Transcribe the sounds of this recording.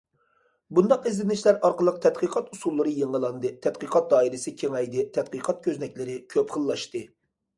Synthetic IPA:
bund̪ɑqezlɪnɪʃlæɾɑɾqəlˠəq̚t̪ʰɛt̪̚qʰəqʰɑt̪usulˠːɨɾɨjeŋəlˠɑnd̪ɨt̪ʰɛt̪qəqʰɑt̪̚d̪ɑːilɪsɪkʲʰeŋɛjd̪ɪt̪ʰɛt̪̚qəqʰɑt̪̚kʲʰøznɛk̚ʲlɪɾɪkʲʰøpχəlˠːɑʃt̪ɨ

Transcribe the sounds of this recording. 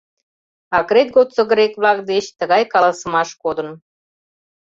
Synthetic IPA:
ɑkɾet̪̚ɡot̪t͡sə̆ɣɾekβlɑk̚d̪eɕt̪əɣɑjkɑlˠɑsə̆mɑʃkod̪ə̆n

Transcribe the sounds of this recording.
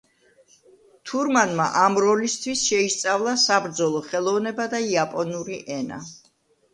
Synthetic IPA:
t̪ʰuɾmanma̰ʔamɾɔlist̪ʰwisʃɛist̪sʼavlˠasabɾd̪zɔlˠɔχɛlˠɔvnɛbad̪aiapʼɔnuɾiʔɛna̰

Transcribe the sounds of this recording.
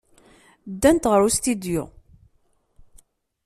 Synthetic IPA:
d̪ːænt̪ʁəɾust̪id̪jṵ

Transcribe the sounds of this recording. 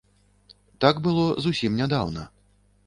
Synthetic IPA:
t̪aɡbɨlˠɔzusʲimnʲad̪a̰wnɐ̰

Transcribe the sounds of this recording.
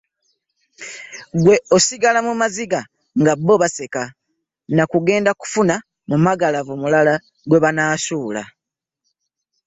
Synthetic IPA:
ɡwe̞osiɡalamumaziɡa | ŋɡabːo̞βase̞ka | nakuɡe̞ːndaku̥funa | mumaɡalavumulala | ɡwe̞βanaːsuːla̰

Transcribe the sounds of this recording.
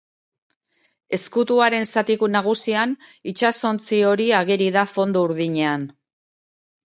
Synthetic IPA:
e̞skut̪uaɾe̞nsat̪ikunaɣ̞usianit͡ʃaso̞nt͡sio̞ɾiaɣeɾiðafo̞nd̪ouɾðiɲean

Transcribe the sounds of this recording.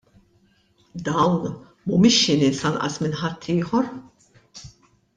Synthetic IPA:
d̪ɐwn | mumɪʃːɪnɪnsɐnʔɐ̰smɪnħɐt̪ʰːɪːħɔɾ

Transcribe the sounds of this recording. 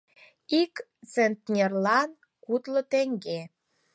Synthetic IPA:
ik | t͡sent̪nʲerlɑn | kut̪lə̆t̪eŋɡe

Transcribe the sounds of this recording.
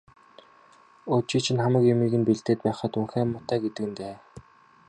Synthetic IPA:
ot͡ɕiːt͡ɕʰɪ̆nχamə̆kjʊmiːɣɘ̆npiɮt̪eːt̪̚pæːχə̆t̪uŋxæːmːʊt̪æːɡet̪ɘ̆kɘ̆nt̪eː

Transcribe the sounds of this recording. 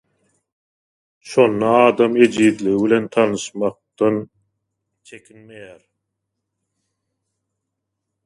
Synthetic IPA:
ʃo̞nːɑɑːd̪ɑme̞d͡ʒid̪liɣiβile̞nt̪ʰɑnɯʃmɑq̚t̪ɑn | t͡ʃʰe̞kʲʰinme̞jæːɾ

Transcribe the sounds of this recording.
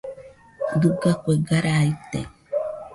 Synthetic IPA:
d̪uɡakʷeɡaɾait̪ḛ

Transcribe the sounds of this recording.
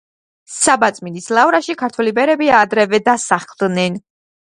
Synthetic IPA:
sabat̪sʼminislˠavɾaʃikʰaɾt̪ʰwɛlibɛɾɛbiad̪ɾɛvɛd̪asaχlˠd̪nɛn

